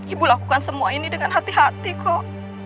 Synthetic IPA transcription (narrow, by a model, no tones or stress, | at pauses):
ibulakukansəmuainidəŋanɦat̪iɦat̪ikoʔ